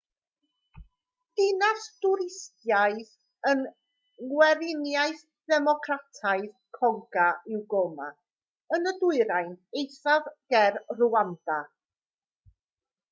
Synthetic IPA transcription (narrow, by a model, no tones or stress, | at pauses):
d̥ɪnasdʊɾɪstjaɨð | ən | ɡwɛɾɪnjaɨθ | dɛmɔkʰratʰaɨð | kʰɔŋɡaɪwɡoma̰ | ənədʊɨɾajnejθavɡ̥ɛrruanda